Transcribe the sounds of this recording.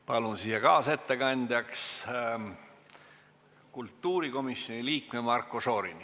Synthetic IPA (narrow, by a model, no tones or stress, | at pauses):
pɑlunsiːjɑkɑːse̞t̪ːe̞kɑnʲd̪̥ʲɑks | kult̪ːuːɾiko̞misjo̞nʲiliːkmemɑrkːˑoso̞ːɾini